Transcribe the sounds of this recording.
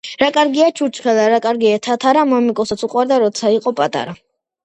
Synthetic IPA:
ɾakʼaɾɡiat͡ʃʰut͡ʃʰχɛlaɾakʼaɾɡiat̪ʰat̪ʰaɾamɔmikʼɔsɔt̪suqʼwaɾd̪aɾɔt̪sʰaiqʼɔpʼat̪ʼa̰ɾa

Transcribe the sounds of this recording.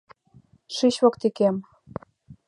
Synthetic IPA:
ʃiɕβokt̪ikem

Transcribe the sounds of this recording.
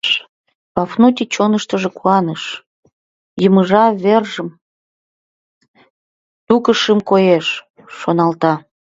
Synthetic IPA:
ʃ | pɑfnut̪ʲit͡ɕonəʃt̪əʒekuɑnəʃ | jəməʒɑβerʒə̆m | t̪ukəʃəmkojeʃː | onɑlt̪ɑ

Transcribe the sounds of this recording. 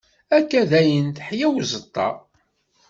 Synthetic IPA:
ækːæðæjənt̪ħjæwzət̪ˤːɑ̰

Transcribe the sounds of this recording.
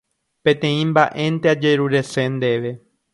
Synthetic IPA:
pẽ̞t̪ẽĩmbaʔe̞nt̪ead͡ʒeɾuɾe̞se̞nd̪eʋe̞

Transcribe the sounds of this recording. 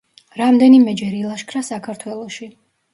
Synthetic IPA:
ɾamd̪ɛnimɛd͡ʒɛɾilˠaʃkʰɾasakʰaɾt̪ʰwɛlˠɔʃi

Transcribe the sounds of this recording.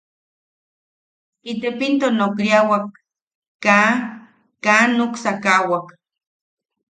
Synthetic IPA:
it̪epint̪onokɾiawakː | a | kaːnːoksakawak

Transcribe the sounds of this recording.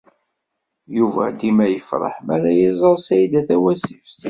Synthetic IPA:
juvæ̰d̪imæjəfɾˤə̰ħmæɾæjizˤəɾˤsæjd̪æθæwæsifs

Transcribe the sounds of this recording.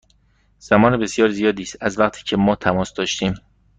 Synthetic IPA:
z̥æmɒːnebe̞sjɒːɾzijɒːd̪iːst̪æzvæqt̪ʰi̥ːcʰemɒːt̪ʰæmɒːsd̪ɒːʃt̪iːm

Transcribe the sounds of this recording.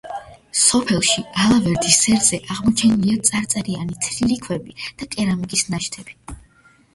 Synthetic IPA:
sɔpʰɛlˠʃialˠavɛɾd̪isːɛɾz̥ɛʔaʁmɔt͡ʃʰɛniliat̪sʼaɾt̪sʼɛɾianit̪sʰɾiɾikʰwɛbid̪̥akʼɛɾamikʼisnaʃt̪ʰɛb̥i̥

